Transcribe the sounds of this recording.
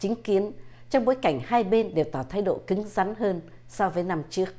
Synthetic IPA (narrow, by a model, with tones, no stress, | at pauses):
t͡ɕï˨˦ŋ̟ki˨˦ən | t͡ɕɔ˧wŋ͡mɓo̰˧˥˦jka˧˩jŋ̟haː˧jɓe˧nɗe˨˩wt̪ɔː˧˩t̪ʰaː˨˦jɗo̰˧˨kɨ˨˦ŋza˨˦nɦəː˧n | sɔ˧vəː˨˦jna˧mt͡ɕɨ˦˥ək̚